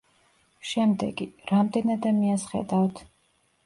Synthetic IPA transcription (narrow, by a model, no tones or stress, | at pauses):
ʃɛmd̪ɛɡiɾamd̪ɛnad̪amiasχɛ̰d̪avt̪ʰ